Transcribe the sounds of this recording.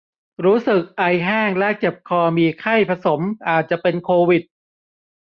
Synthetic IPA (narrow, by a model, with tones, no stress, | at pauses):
ɾuː˦˥sɯ˨˩k̚ʔa˧jɦaː˥˩ŋlɛ˦˥t͡ɕe˨˩p̚kʰɔː˧miː˧kʰa˥˩jpʰa˧so˩˦mʔaː˨˩t̪̚t͡ɕa˨˩pe˧nkʰoː˧wi˨˩t̪̚